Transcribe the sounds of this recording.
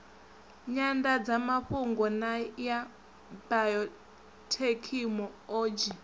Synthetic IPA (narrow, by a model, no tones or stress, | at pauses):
ɲandad͡zamaɸuŋɡɔnaja | bajɔ | tʰekʰimɔoːd͡ʒi